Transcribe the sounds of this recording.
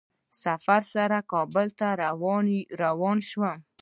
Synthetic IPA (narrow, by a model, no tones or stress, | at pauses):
safaɾsaɾakɑbəlt̪aɾ | ɾawɑnʃwə